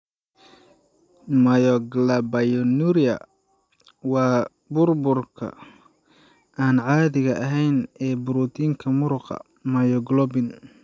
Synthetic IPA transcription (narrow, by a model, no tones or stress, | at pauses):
mɐjɔɡlɐbɐjɔnuɾiɐ̰ | wɑː | bʊrbʊrkʰɐ̰ | aːnʕɑːðɪɣɐʔɐɦɛjnɛːbʊɾut̪ʰiːŋkʰɐmʊɾʊqɑ̰ | mɐjɔɡlɔbɪn